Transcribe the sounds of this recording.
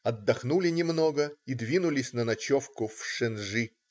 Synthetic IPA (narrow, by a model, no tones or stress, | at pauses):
ɐd̪ːɐxnulʲɪnʲɪmno̞ɡəid̪vʲinʊlʲɪsʲnənɐt͡ɕofkʊfʂɨnʐɨ